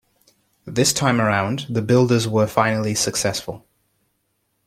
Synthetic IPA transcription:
əʔðɪstʰãɪ̃məɹãʊ̃nðəbɪlˠdəzwəfãɪ̃nəlisəksɛsfə̰lˠ

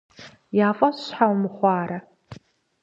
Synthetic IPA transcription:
jaːfʼɐɕħawmɨχʷɑːɾɐ

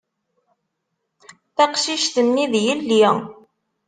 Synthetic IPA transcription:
θæqʃiʃθəmːiðjəlːi

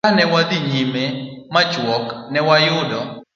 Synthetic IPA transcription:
anɛwad̪iɲimemat͡ʃwɔknɛwajʊdɔ

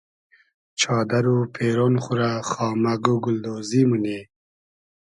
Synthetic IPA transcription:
t͡ʃʰɑːd̪aɾupʰeːɾoːnχʊɾaχɑːmaɡuɡʊld̪oːzimune

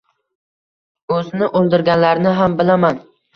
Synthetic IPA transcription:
ɵznɪʔolˠd̪ɪɾɡʲalːaɾnɪɦambɪlaman

